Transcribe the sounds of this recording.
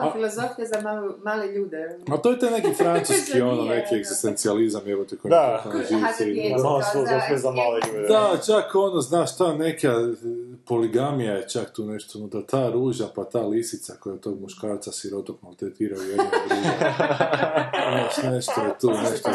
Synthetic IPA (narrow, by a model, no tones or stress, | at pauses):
filˠozofijazamalumaːleʎuːd̪ɛat̪ojet̪ajne̞kifɾansuskio̞none̞kieɡzist̪ent̪sializamjeʋot̪okomd̪aooʒiʋieimaloilozofiezamaːleʎuːd̪d̪at͡ʃako̞noznaːʃt̪anekjapo̞liɡamijajet͡ʃakt̪uːneʃt̪omot̪at̪ʰaːɾuːʒapat̪aːlisit̪sakojat̪o̞ːɡmuʃkaːɾt̪sasiɾot̪okalˠt̪et̪iːɾaujeou | znaːʃneʃt̪ojet̪uːneʃt̪o